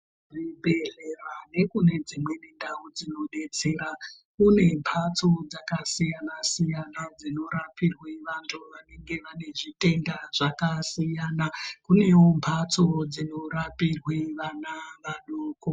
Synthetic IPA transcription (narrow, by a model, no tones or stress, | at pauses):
ʐibʱe̞ɮerane̞kune̞d͡zimwe̞nindaud͡zino̞ɗe̞t͡se̞ːɾa | kune̞mpʰat͡so̞d͡zakasijanasijanad͡zino̞ɾapirweʋantʰuʋane̞ŋɡe̞ʋane̞ʐite̞ndaʐ̥akasijaːnakune̞wo̞mpʰat͡sod͡zino̞ɾapirweʋanaʋaɗoːko